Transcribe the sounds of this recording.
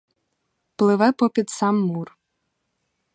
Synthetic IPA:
plˠɪʋɛpɔpʲid̪sɑmːur

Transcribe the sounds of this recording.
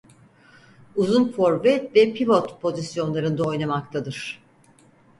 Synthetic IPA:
uzunfo̞ɾvɛvɛpʰivot̪pʰo̞zisjo̞nlˠaɾɯnd̪ao̞jnamak̚t̪ʰad̪ɯɾ̥

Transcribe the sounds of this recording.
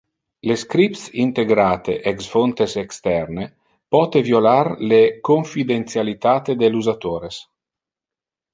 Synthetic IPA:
leskɾip̪sint̪eɡɾaːt̪ḛʔɛksfont̪esɛkst̪ɛrne | pɔːt̪evjolarlekoɱfid̪ent̪sjalit̪aːt̪ed̪eluzat̪oːɾes

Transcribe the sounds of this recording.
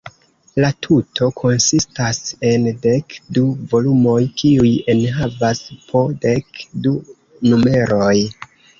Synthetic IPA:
latʰutʰo̞kʰo̞nsistase̞nde̞kduvo̞lumo̞jkiuje̞nɦavaspʰo̞de̞kdu | nume̞ɾo̞j

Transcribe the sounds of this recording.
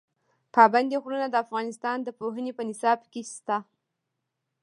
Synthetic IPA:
pɑband̪eɣɾənad̪əafɣɑnɪst̪ɑnd̪əpoɦənepənɪsɑbkest̪a

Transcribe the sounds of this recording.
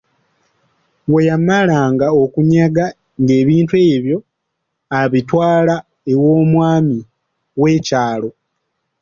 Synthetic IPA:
wejamalaːŋɡaokuɲaɡa | ŋɡe̞ːβiːntue̞ːβjo̞ | aβitwaːla | ewo̞ːmwaːmi | we̞ːcaːlo̞

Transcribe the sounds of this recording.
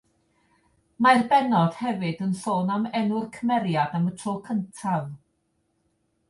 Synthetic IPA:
marbɛnɔd̥hɛvɨdənɬoːnamɛnʊrkʰəmɛɾjadamətʰrokʰəntʰav

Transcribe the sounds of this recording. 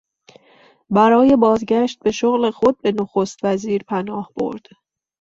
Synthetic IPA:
bæɾɒːje̞bɒːzɟæʃt̪̚be̞ʃoɣle̞xo̞d̪̚be̞noxo̞st̪væziːɾpʰænɒːhb̥o̞̰ɾd̪̥

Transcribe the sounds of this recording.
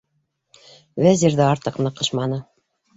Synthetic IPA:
væzʲiɾðɘɑɾt̪ɤqnɤ̆qɤ̆ʃmɑnɤ

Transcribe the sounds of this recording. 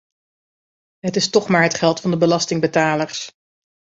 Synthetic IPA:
ɦətɪstɔχmaːɹɦətχɛlˠtfɑndəbəlɑstɪŋbətaːləɹs

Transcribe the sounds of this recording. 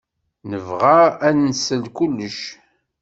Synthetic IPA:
nəvʁaænnsəlkulːəʃ

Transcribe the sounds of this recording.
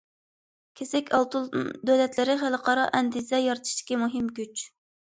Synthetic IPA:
kʲʰesɛkʲʰɑlˠt̪ulˠd̪ølɛt̪lɪɾɪχæləqʰɑɾɑʔɛnd̪izɛjɑɾt̪ʰɨ̥ʃd̪ɪ̥kʲimuɦɨmɡʲyt͡ʃ

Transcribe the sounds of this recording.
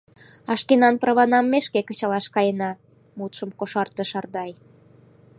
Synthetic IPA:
ɑʃkenɑnprɑβɑnɑmːeʃkekə̆t͡ɕɑlɑʃkɑjenɑ | mut̪ʃə̆mkoʃɑrt̪ə̆ʃɑrd̪ɑj

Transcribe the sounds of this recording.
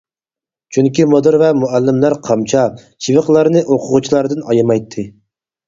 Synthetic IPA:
t͡ʃʰyŋkʲimod̪ɨɾvɛmuælːɪmlæɾqʰɑmt͡ʃʰɑ | ʃʰivɨqlˠɑɾnɨʔoqʰʊʁut͡ʃʰilˠɑɾd̪ɨnɑjɨmɑjt̪ʰːɨ

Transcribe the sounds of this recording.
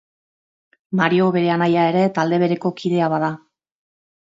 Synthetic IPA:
maɾio̞βe̞ɾe̞anajae̞ɾe̞t̪ald̪e̞β̞e̞ɾe̞ko̞kiðe̞aβaða

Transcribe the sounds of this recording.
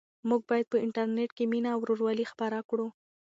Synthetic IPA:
muɡ̚bɑjad̪̚pəɪɳʈaɾneʈkeminaːwɾoɾwɑlixpaɾakɽu

